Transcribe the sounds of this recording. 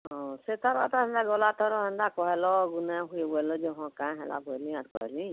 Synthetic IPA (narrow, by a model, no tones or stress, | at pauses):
ɦɔ̃set̪aɾba̰t̪aɦɛnd̪aɡɔlat̪ʰɔɾɔɦɛnd̪akɔɦɛlɔɡunɛɦubɔɛlɔd͡ʒɔɦɔ̃kãjɦɛla̰bɔɛliat̪kɔ̰ɾɛ̰li